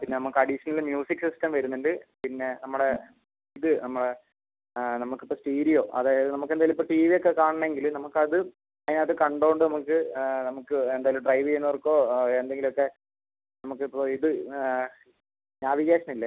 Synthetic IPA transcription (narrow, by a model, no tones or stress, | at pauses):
pinːe̞nɐmukːɨɐɽiʂɐnɐlɨmjuːsikːsistɐmʋɐɾunːenɖɨpinːe̞nɐmːuɽe | iðɨnɐmːuɽe | nɐmukːipːosʈiːɾijo̞ːʔɐðaːjɐðɨnɐmukːend̪aːilmipːoʈiːʋijokːekaːɳɐɳːɐeŋɡilumnɐmukːɐðɨ | ɐinaːɐðɨkɐɳɖoːɳɖɨnɐmukːɨnɐmukːɨend̪aːjilumɖrɐjʋienːorkːo̞ːend̪e̞ŋɡilmokːe̞ | nɐmukːipːoiðɨ | ɲaːbiɣeːʂɐmilːɐ